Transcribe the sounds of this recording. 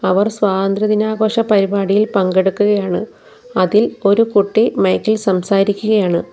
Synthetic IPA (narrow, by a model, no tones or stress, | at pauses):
ɐʋɐrsʋaːðɐnd̪rɐðinaːɣo̞ːʂɐpɐɾibaːɽijilpɐŋɡeɽukːuɣɐjaːɳɨ | ɐðilo̞ɾukuʈːimɐjkːilsɐmsaːɾikʲːuɣɐjaːɳɨ